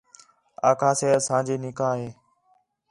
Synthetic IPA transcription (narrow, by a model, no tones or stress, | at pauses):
a̰ːkʰaːseːəsãːd͡ʒiːnɪkaːɦeː